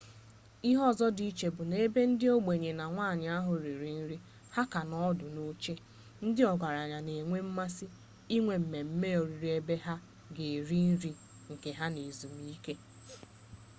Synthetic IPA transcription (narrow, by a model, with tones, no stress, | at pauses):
i˦ɦɔ˦˨zɔ˦di˨i˦t͡ʃe˨bʊ˨ne˦be˦n̩˦dɪ˦o˦ɡ͡be˨ɲe˨na˨ŋʷa˦˨ɲɪ˨a˦ɦʊ˨ɾi˨ɾi˨n̩˦ɾi˦ | ha˦ka˨nɔ˦dʊ˨no˦t͡ʃe˦ | n̩˦dɪ˦ɔ˨ɡʷa˨ɾa˨ɲa˨ne˨ŋʷe˦m̩˦ma˦sɪ˦ | i˦ŋʷe˨m̩˨me˨m̩˦me˦o˨ɾi˨ɾi˦e˦be˦ɦa˦ | ɡe˨ɾi˦n̩˦ɾi˦ | ŋ̩˨ke˨ɦa˦ne˨zu˨mi˦ke˦